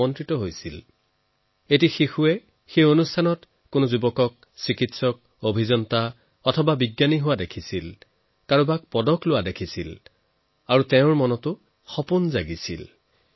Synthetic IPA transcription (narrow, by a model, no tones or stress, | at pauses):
ɔntɹitɔɦojsil | etixixuɛ | xejonustʰanɔt | kʊnʊzubɔkɔk̚ | sikitsɔk̚ | obʱizɔnta | ɔtʰɔbabiɡjaniɦʊwadekʰisil | kaɹũbak̚pɔdɔklʊwadekʰisil | aɹutɛʊ̃ɹmɔnɔtʊ | xɔpunzaɡisḭl